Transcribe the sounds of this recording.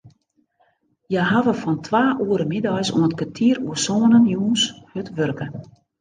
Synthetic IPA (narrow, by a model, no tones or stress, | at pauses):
jɛɦaʋəfɔntʰʋaːʔuəɾəmidɔjsṵənətkatʰiːəruəsoːnənjuːnshøtʋørkə